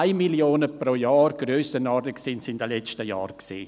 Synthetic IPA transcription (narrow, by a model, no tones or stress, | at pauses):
aɪmiljoːnəproːjɑːrɡ̥røːsənɑrdəksɪnsɪndəlɛt͡st͡ʃtəjɑ̰ːɾksḭː